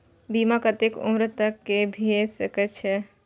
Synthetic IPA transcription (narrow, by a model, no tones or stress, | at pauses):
bimakət̪ekṵmɾət̪əkːebʱiesəkɛt͡ʃʰɛ